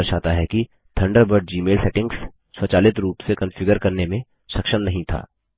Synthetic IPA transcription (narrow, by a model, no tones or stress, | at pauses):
ɾʃaːt̪aɦɛki | t̪ʰɐ̃ɳɖəɾbəɾɖ̚d͡ʒiːmeːlsɛːʈɪ̃ŋɡs | swɐt͡ʃaːlɪt̪ɾuːpsekɐ̃nfɪɡəɾkɐɾnemẽ | ʃɐkʃəmnɐɦĩt̪ʰa̰ː